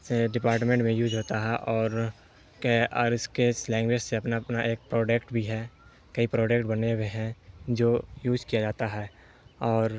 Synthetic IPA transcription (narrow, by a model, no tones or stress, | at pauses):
seɖɪpaːɾʈ̬mẽɳʈmẽjuːd͡ʒɦoːt̪aɦɛʔɔːɾ | keːɾɪskeslɛ̃ːŋɡwed͡ʒseɐpnapnaʔeːk̚pɾoːɖekʈbʱiɦɛː | kɐipɾoːɖekʈbɐneweɦɛ̃d͡ʒoːjuːd͡ʒkijad͡ʒaːt̪aɦɛː | ɔːɾ